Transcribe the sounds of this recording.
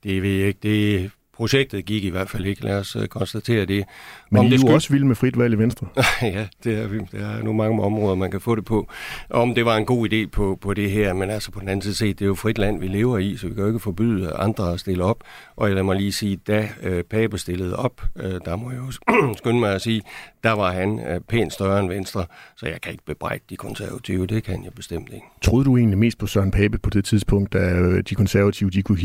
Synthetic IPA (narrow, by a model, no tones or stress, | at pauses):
d̥e̝ʋe̝ð̰jæe̝ɡ̥əd̥e̝ | pʰʁo̝ɕeɡ̥̚d̥ð̩ˠɡ̥iɡ̥iʋæɐ̰d̥fæle̝ɡ̥əlʔæːsøkʰɒ̽nsd̥æt͡sʰe̝̰ːɐd̥e̝mɒmd̥esɒsəʋilmefʁid̥ʋæl̰iʋensd̥ʁɐjæd̥e̝æʋid̥ɑɐnomɑ̈ŋəmɒ̽mʁɔ̽ːð̞ˠɐmænkʰæfɔ̰ːɾ̥e̝pʰɒ̽ʔɒ̽md̥e̝ʋɑ̈e̝nɡ̥o̝̰ːid̥e̝̰ːpʰɒ̽pʰɒ̽ɾ̥e̝ɦæɐ̰menælsɒ̥pʰɒ̽d̥n̩æn̩sið̩ˠsḛːd̥̚d̥e̝ːjo̝fʁid̥læn̰ʋile̝ːʊɐisɒ̽ʋikʰæoeɡəfɒ̽b̥y̰ð̰ˠəɑ̈nd̥ʁɐɒsd̥e̝ləɒ̽b̥ | ʔɒ̽jalɛmɑliːsiːd̥æpʰɛːb̥əsd̥e̝ləð̞̩ˠɒ̽b̥ød̥æmɒjajosɡ̥ønəmɑ̈ɪɒsiːd̥æʋɑ̈ɦænpʰḛːnsd̥ɶɐenʋensd̥ʁɐsɒ̽jɑ̈ɪkʰæe̝ɡ̥əb̥e̝b̥ʁɑ̈ɪ̰d̥əd̥ikʰɒ̽nsæɐʋæt͡sʰḭʊəd̥e̝kʰænjɑ̈ɪb̥e̝sd̥em̰d̥e̝ɡ̥t͡sʰʁo̝ːð̞ˠdue̝̰ːnlime̝̰ːsd̥̚pʰɒ̽sɶɐnpʰɛːb̥əpʰɒ̽d̥e̝t͡sʰiðˠsb̥ʰɔ̽ŋ̰d̥æd̥ikʰɔ̽nsæɐʋæt͡sʰiʊəd̥ikʰu